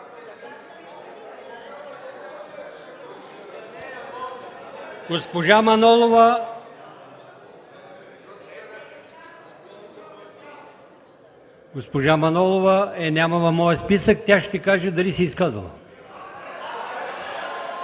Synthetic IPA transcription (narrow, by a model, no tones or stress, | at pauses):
ɡ̥ospoʒamɐnɔlˠovə | ɡospoʒamɐnɔlˠovəɛnʲaməvɐfmɔjəspisək̚t̪ʲaʃt̪ɛkaʒəd̪ɐlisiːskazə̰lˠə̰